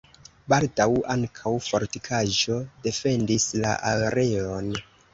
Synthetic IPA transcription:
baldawaŋkʰawfo̞ɾtikʰaʒo̞de̞fe̞ndisla̰ʔaɾe̞o̞n

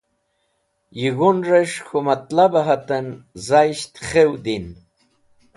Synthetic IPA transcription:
jiɣonɾeʂxomat̪labaɦat̪anzajʃt̪χewd̪in

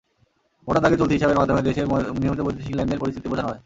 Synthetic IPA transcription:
oʈat̪aɡet͡ɕolt̪ʰiɦiʃabeɾmad̪ʱomed̪eʃeɾniomit̪oot̪ːiʃiŋlenːɖeɾpoɾist̪ʰit̪ipod͡ʒʰanɦɔe

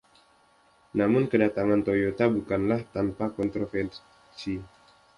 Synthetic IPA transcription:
namʊnkədat̪aŋant̪ojot̪abukanlaht̪anpakɔnt̪ɾofɛr | si

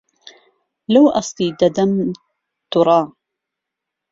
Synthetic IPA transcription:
lawʔɑst̪iːd̪ad̪am | t̪ʊɾˤɑː

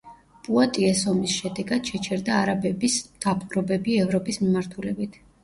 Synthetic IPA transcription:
pʼuat̪ʼiɛsɔmisʃɛd̪ɛɡad̪̥ʃɛt͡ʃʰɛɾd̪aːɾabɛbisd̪̥apʼɾɔbɛbiɛvɾɔpʼismimaɾt̪ʰulɛbit̪ʰ

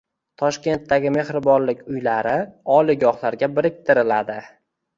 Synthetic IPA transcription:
t̪ʰɒʃkʲe̞nt̪ːaɡʲɪme̞χɾɪbɒnlɪkʲʊjlaɾɪɒlɪɡɒχlaɾɡʲabɪɾɪk̚ʲt̪ʰɪɾɪlad̪ɪ

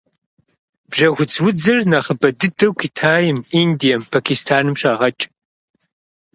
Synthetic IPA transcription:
b̥ʒɐɣʷʊt͡sʰwʊd͡zɐrnaχəbɐdɨdɐwkʰitʰaːjɪmindijɐmpʰakʰistʰaːnɨmɕaːʁɐt͡ʃʼ

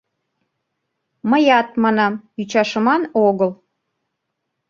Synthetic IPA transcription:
məjɑt̪̚mɑnɑmyt͡ɕɑʃə̆mɑnoɣəlˠ

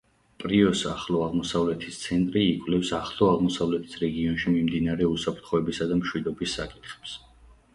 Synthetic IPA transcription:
pʼɾiɔsaχlˠɔaʁmɔsavlɛt̪ʰist̪sʰɛnt̪ʼɾiːkʼwlɛfsaχlˠɔaʁmɔsavlɛt̪ʰi̥sɾɛɡiɔnʃimimd̪inaɾɛusapʰɾt̪ʰχɔɛbisad̪amʃwid̪ɔbisːakʼit̪ʰχɛ̥ps

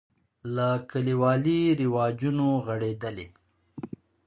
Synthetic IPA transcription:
lakəliwɑliɾɪwɑd͡ʒunoɣəɽed̪əle

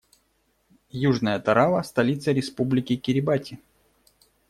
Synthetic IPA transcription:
juʐnəjət̪ɐɾavəst̪ɐlʲit̪səɾʲɪspublʲɪkʲɪkʲɪɾʲɪbatʲɪ

